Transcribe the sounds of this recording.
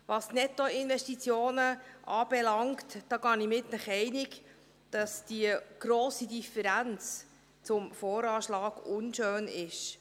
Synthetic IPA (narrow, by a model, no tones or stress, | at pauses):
ʋɑsnɛtoɪnvɛʃtit͡sjoːnəʔɑːb̥ɛlɑŋktd̥ɑːɡɑnimɪtnəχɛɪnɪk | d̥ɑsd̥iəɡ̥ɾoːsidifəɾænt͡s | t͡sʊmfɔːɾɑːʃlɑːɡ̥ʊnʃøːnɪʃ